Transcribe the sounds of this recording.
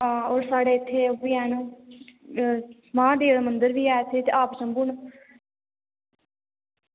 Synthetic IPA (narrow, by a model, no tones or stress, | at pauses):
aːoːɾsaːɽeːɪt̪ʰːeːoʋiːɛːnũː | mãːd̪eːɽamənd̪əɾʋiːɛːt̪ʰeːt̪eʔaːpsəmbuːɳ